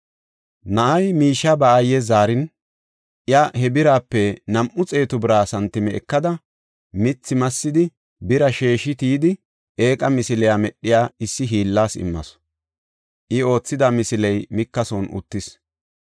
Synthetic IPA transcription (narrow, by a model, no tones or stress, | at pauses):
nɐʔɐjmiːʃːɐbɐːjɛzaːɾɪn | ʔjɐhɛbɪɾaːpːɛnɐmʔʊt͡sʼe̞ːt̪ʊbɪɾaːsɐnt̪ːɪmɛɛ̰kːɐd̪ɐ | mɪt͡sːɪmɐsːɪd̪ɪ | bɪɾɐʃeːʃɪt̪iːd̪ɪ | ʔe̞ːkʼɐmɪsɪlɛjamɛɗːɪjaːɪsːɪɦiːlːaːsɪ̰mːɐ̰s | ʔɪo̞ːt͡sːɪd̪ɐmɪsɪlɛjmɪkːɐsɔnʊ̰t̪ːɪs